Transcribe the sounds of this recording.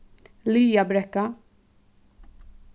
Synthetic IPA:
liːjɐbɾɛkːɐ

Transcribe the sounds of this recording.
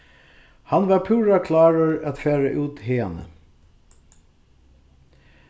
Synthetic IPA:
hanʋapʰʉːɹakʰlɑːɹəɹæt̪fæːɹə̰ʔʉːt̪heːanə̰

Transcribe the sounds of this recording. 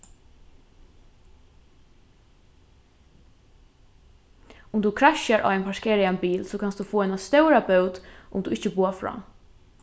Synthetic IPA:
ʊmd̪uːkʰɾaʃəɾʔa̰ʋɛɪnpʰɑʃkʰeːɾɪanbiːlsoːkʰɑnstd̪uːfoːɛɪnast̪œʊɾabœʊd̪ʔʊ̰md̪uːɪçəbuːəfɹɑ̰ː

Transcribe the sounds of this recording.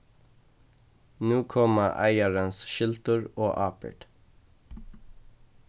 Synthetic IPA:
nuːkʰɔməʔæ̰ɪəɹənsʃɪlt̪əɹoːʔɑːpə̰ɖ̥

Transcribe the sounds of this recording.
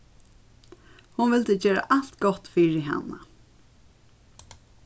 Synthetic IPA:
hʊnʋɪlt̪əd͡ʒeːɹa̰ʔalt̪ɡɔt̪fiːɹɪɦa̰nːa̰

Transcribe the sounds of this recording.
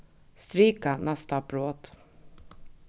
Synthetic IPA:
st̪ɾiːkanɛst̪apɾoːd̪̥

